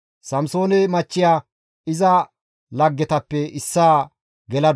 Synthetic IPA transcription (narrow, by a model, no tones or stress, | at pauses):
sɐmso̞ːnɛmɐt͡ʃːɪjaː | ɪzɐ | lɐɡːɛt̪ɐpːɛɪsːaː | ɡɛlɐd̪